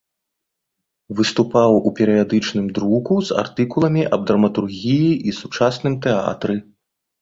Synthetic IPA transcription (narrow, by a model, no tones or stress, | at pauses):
vɨst̪upawupʲɛɾɨjad̪ɨt͡ʂnɨmd̪ɾukuza̰rt̪ɨkulˠɐmʲiʔɐb̚d̪ɾɐmɐt̪urɣʲijiʔisut͡ʂasnɨmt̪ɛa̰t̪ɾɨ